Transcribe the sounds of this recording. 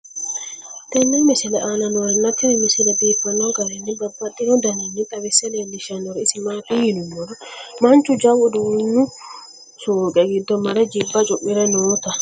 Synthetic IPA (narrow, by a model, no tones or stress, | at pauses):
t̪ɛnːimɪsɪlɛʔanɐnɔɾɛnːɐt̪ːɪnɛmɪsɪlɛbeːfːɐnːɔɡɐɾɛnːɪbɐbːɐt̪ːɪɾɔd̪ɐnenːɪt̪ʼɐβɛsːɛleːlːɪʃɐnːɔɾɛɪsɪmaːt̪ihɪnʊmɔɾɔmɐnt͡ʃːʊd͡ʒɐwɔd̪unːʊ | suːkʼɛɡɪd̪ːɔmɐɾɛd͡ʒɪbːɐt͡ʃʼʊʔːɪɾɛnoːt̪ɐ